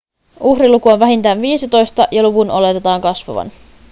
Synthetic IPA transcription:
uhrilukuoʋʋæɦint̪æːnʋiːsit̪o̞jst̪ɑjɑluʋunʔole̞t̪et̪ɑːŋkɑsʋɑ̰ʋɑ̰n

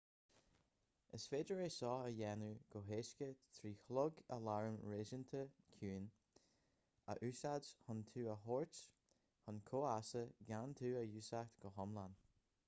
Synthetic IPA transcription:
ə̰sfeːd͡ʒəɹeːsɔːəjɛnuɡ̥oɦeːʃkət̪ʰɾiːxlʊɡə̰laɹəmɹeːʒənt̪ʰəkʰuːn | ə̰ʔʉːsad͡ʒhʊnt̪ʰuːəɦoɹt | hʊnkʰoːasəɡant̪ʰuːəjʉːsakt̪ɡ̥əɦɔmlan

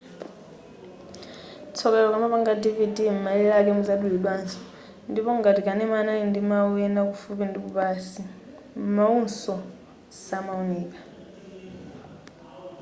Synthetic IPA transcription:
t͡sʰɔkɛlɔkamapaŋɡadividim̩malilak̬ɛmud͡zaɗuliɓansɔ̥ | ndipɔŋɡatikanɛmanaindimawɛnakufupindikupasi | maunsɔ | samauniːkḁ

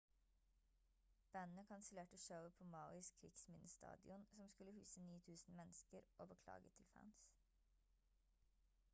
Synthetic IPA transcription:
b̥ænnəkʰɑnsɪleːʈəʃaʊəpʰoːmɑʊɪskʰɾɪɡsmɪnəst̪ɑ̰ːd̪ɪʊnsɔmskʉləhʉːsəniːt̪ʰʉːsn̩mɛnskəɾʔo̰ːbəkʰlɑ̰ːɡət̪ʰɪlfæ̰ːns

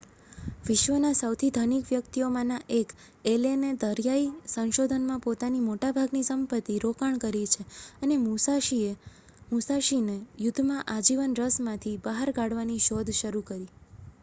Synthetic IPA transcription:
ʋɪʃʋənasəwt̪ʰid̪ʱənikʋjəkt̪ijomãnaʔek | elened̪əɾjaisə̃nʃod̪ʱənmãpot̪animoʈabʱaɡnisəmpət̪ːiɾokaɳkəɾit͡ʃʰeənemusaie | musaʃinejʊd̪ʱːmãʔad͡ʒiʋənɾəsmãt̪ʰibəɦaɾɡaɽʋaniʃod̪ʱʃəɾukəɾi

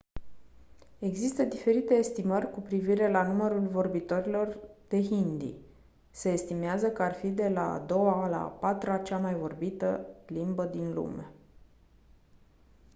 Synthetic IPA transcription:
e̞ɡzist̪əd̪ife̞ɾit̪e̞ːst̪imərʲkupɾiviɾe̞lanuməɾulvo̞rbit̪o̞ɾilo̞rd̪̥e̞ɦind̪ḭ | se̞ːst̪imeazəkəarfid̪e̞la̰ːd̪o̞wala̰pat̪ɾat͡ʃamajvo̞rbit̪əlimbəd̪inlṵme̞̰

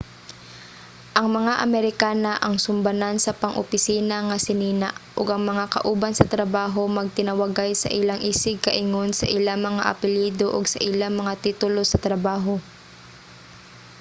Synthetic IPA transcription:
ʔɐŋmɐŋaʔɐmɛɾɪkaːnaʔɐŋsʊmbɐnansɐpɐŋʔo̰pɪsiːnaŋɐsɪniːnaʔʔoɡʔɐŋmɐŋakɐ̰ʔuːbɐnsɐt̪ɾɐbaːɦo̞mɐɡ̚t̪ɪnɐwɐɡajsɐ̰ʔɪlaŋʔiːsɪɡ̚kɐʔɪŋonsɐ̰ʔɪlaŋmɐŋaʔɐ̰pɪliːd̪oʔʊɡsɐ̰ʔɪlaŋmɐŋat̪iːt̪ʊlosɐt̪ɾɐbaːɦo̞

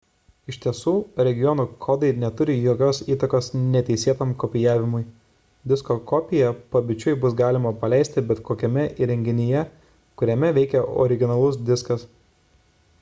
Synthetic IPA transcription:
ɪʃʲt̪ʲiɛsuːɾʲɛɡʲɪjɔːnuːkʰɔːd̪ɐɪnʲɛt̪ʊɾʲɪjoːkʲoːsiːt̪ɐkoːsnʲɛt̪ʲɛɪsʲeːt̪omkɔpʲɪjæːʋʲɪmʊɪ | d̪ʲɪskokɔpʲɪjɛpɐbʲɪt͡ʃʲʊɪbʊs̬ɡɑːlʲɪmɐpɐlʲɛˑɪsʲt̪ʲɪbʲɛt̪koːkʲɛmʲɛʔiːɾʲɛŋʲɡʲɪnʲɪjɛ | kʊɾʲɛmʲɛʋʲɛɪkʲɛɔ̰ɾʲɪɡʲɪnɐlˠʊs̬d̪ʲɪskɐs

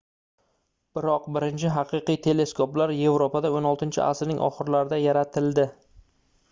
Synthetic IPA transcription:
b̥ɪɾɒqbɪɾɪnt͡ʃʰɪɦɑqɨqɨjt̪ʰe̞le̞skʰoplaɾje̞vɾopad̪aonɒlˠt̪ɪnt͡ʃʰɪ̰ʔa̰sɾnɪŋʔɒ̰χɨɾlaɾɪd̪ajaɾat̪ʰɪld̪ɪ

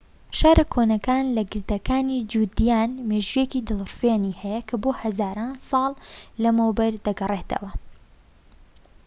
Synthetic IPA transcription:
ʃaːɾʔɐkʰoːnɐkaːnlɐɡɨɾd̪ɐkaːnid͡ʒuːd̪ijaːnmeːʒujekiːd̪ɨlˠɾfeːniːhɛjɐkʰɐboːhɐzaːɾaːnsˤɑːlˠːɐmowbɐɾd̪ɐɡɐreːt̪ʰɐ̰wɐ

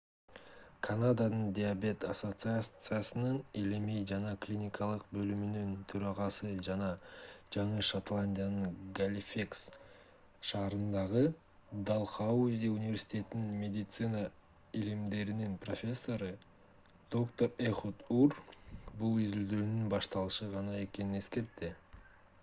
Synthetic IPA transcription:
kʰanad̪anəɴd̪ʲiabe̞t̪aso̞t̪sɨat̪sɨjasənəɴelemejʒɑnɑkʰlʲinʲijkʰɑlˠəq̚bɵlɪmɪnɪnt̪ʰɵɾɑʁɑsəʒɑnɑʒ̥ɑɴəʃot̪lˠanʲd̪ʲijanəɴɡalʲifʲeks | ʃɑːɾənd̪ɑʁə | d̪alˠχauzʲiunʲɪvʲe̞ɾʲsʲi̥t̪ʲe̞t̪ɪninmʲe̞d̪ʲɪt̪sɨna | ilimd̪e̞ɾininpro̞fʲe̞sːo̞ɾɯ | d̪̥o̞kt̪o̞ɾeχot̪urbulˠʏzyld̪ønynbɑʃt̪ɑlˠɯʃɯʁɑnɑe̞kʲe̞nine̞ske̞ɾt̪ːɪ

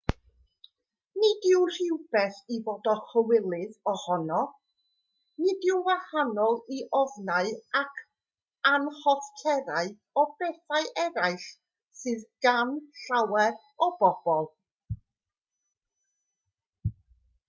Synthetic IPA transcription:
nidɪwr̥ɪwb̥ɛθivoːdɔχəwɪlˠɪðɔhɔnɔ | nidɪwwahanɔlˠiʔɔvnaɨakʰ | anhɔθkʰɛɾaɨ | ɔbɛθaɨʔɛɾaɨɬ | sɨðɡ̥anɬawɛɾ | ɔb̥ɔb̥ɔlˠ

